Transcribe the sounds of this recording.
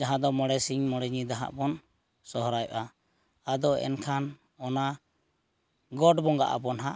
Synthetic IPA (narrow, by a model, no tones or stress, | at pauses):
d͡ʒaɦãd̪ɔmɔɽɛsiŋmɔɽɛɲid̪aɦa̰ʔpɔn | sɔɦɔɾajʔa | ad̪ɔɛ̰nkʰan | ɔna | ɡɔɖbɔŋɡa̰ʔa̰bɔnɦaʔ